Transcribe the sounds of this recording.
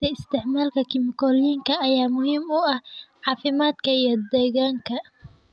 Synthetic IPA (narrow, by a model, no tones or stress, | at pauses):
ɐɪst̪ʰɪʕmaːlkʰɐkʰɪmɪkɔliːŋkʰɐɐjaːmʊɦiːmʊɐhʕɑːfɪmaːd̪kʰɐijɞd̪ɛːɣaːŋkʰɐ